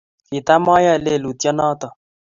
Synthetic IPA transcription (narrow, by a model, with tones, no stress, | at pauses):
ki˨t̪a˦ma˦ja˦˨le˦˨lu˨t̪jɔ˦nɔ˦t̪ɔ˨